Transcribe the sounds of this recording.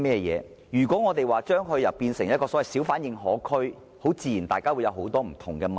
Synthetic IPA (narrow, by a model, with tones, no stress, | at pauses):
mɛː˥˧jɛ̰ː˨˧ | jyː˨˩kʷɔː˨˥ŋɔː˨˧t̪e˨jwaː˨t͡ʃœː˥ŋɦɵ˧ɥjɐ˨wpiː˧nsɪ˨˩ŋjɐ˥kɔː˧sɔː˨˥wɐ˨jsi˨˥wfaː˨˥njɪ˨˧ŋɦɔː˨˥kʰɵ˥ɥ | ho˨˥wt͡siː˧jiː˨˩nt̪aː˨jkaː˥wu˨˧jɐ˨˧wɦo˨˥wt̪ɔː˥m̩˨˩t̪ʰʊ˨˩ŋkɛː˧m˨